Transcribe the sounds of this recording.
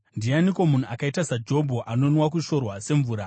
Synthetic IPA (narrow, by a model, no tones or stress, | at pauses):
ndianikwo̞mun̤uakaitasad͡ʒo̞bʱoʔano̞nwak̬uʃo̞rwase̞ɱvuːɾa